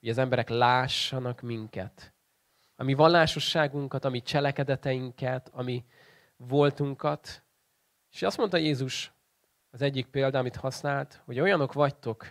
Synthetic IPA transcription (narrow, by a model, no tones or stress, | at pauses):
hoɟɒzɛmbɛɾɛklaːʃːɒnɒkmiŋkɛ̰t̪ | ɒmivɒllaːʃo̞ʃːaːɡuŋkɒt̪ɒmit͡ʃɛlɛkɛd̪ɛt̪ɛjiŋkɛt̪ɒmi | vo̞lt̪uŋkɒt̪ | eʃɒst̪mo̞nt̪ɒjeːzuʃ | ɒzɛɟːik̚peːld̪ɒːmit̪hɒsnaːlt̪ho̞ɟo̞jɒno̞kʋɒct̪o̞k